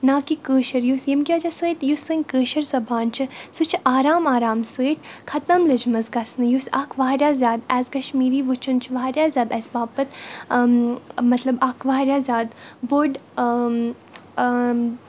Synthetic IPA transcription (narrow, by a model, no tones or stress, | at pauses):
naːkikəːʃɐɾjusjɐmkʲaːd͡ʒasəːt̪jusɨnʲkəːʃɐɾzɐbaːnt͡ʃʰɨsut͡ʃʰʔaːɾaːmaːɾaːmsəːt̪ʰʲkʰɐt̪ɐmlɨd͡ʒmɐzɡɐsnɨjusɐkʰʋaːɦɾjaːzʲaːd̪ɛːzkɐʃmiːɾiːʋut͡ʃʰɐnt͡ʃʰʋaɦɾʲjaːzʲaːd̪ɐsbaːpɐt̪ | mɐt̪lɐbɐkʰʋaɦɾʲjaːzʲaːd̪boɖ